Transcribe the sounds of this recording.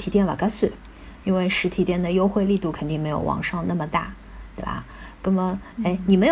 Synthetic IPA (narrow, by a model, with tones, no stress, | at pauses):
t̪ʰi˧˥t̪jɛ˥˩nwa̰˨˩ka˥s̩˥˩ | i˥nwe˥˩ɪʂɻ̩˧˥t̪ʰi˧˥t̪jɛ˥˩nd̪ə˩jo˥ʊxwe˥˧ɪli˥˧t̪u˥˩kʰə˨˩nt̪i˥˩ŋme˧˥ɪjo̰˨˧˩ʊwɑ̰˨˩ŋʂɑ˥˧ŋna˥˩mə˩t̪a˥˩ | t̪we˥˩ɪbɐ̰˩kə˥mə˩e˥˩ɪni˨˩me˧˥ɪ˨˩